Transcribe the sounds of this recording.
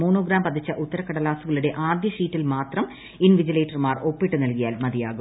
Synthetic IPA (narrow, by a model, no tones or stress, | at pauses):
muːɳoːɡɾaːmpɐd̪it͡ɕːɐʔut̪ːɐɾɐkɐɽɐlaːsuɣɐɭuɽe̞ʔaːd̪jɐɕiːtːilmaːt̪rɐm | inʋid͡ʑileːʈːɐrmaːro̞pːiʈːɨnɐlkijaːlmɐd̪ija̰ːɣu